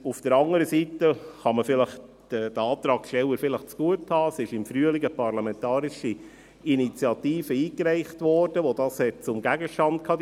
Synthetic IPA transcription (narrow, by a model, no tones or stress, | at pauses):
ufd̥əɾɑŋəɾəsiːtəχɑməfɪləχ | d̥əd̥əɑːt̪ɾɑːkʃtɛlwəɾfɪləχt͡sɡ̥uəthɑːsɪʃɪmfɾyəliɡəpɑrlɑmɛntɑːɾiʃi | init͡sjɑtiːfəiːkɾæɪχtʋɔrd̥əʋodɑːshɛt̚t͡sʊmɡæɡəʃtɑnd̥̚kʰɑːd